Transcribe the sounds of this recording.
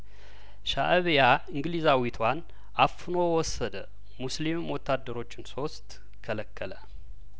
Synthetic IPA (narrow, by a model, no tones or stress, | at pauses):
ʃaʔβjaɨŋɡlizawit̪ʰwan | ʔafɨnowɔsːəd̪ə | muslimwɔt̪ːad̪ːəɾo̞t͡ʃːɪnso̞st̪ | kʰələkːələ